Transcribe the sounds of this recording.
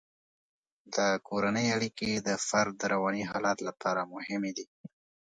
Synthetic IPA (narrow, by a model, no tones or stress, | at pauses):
d̪əkoɾanəjaɽiked̪əfaɾd̪ːəɾawɑniɦɑlat̪lapɑɾamʊhɪmed̪i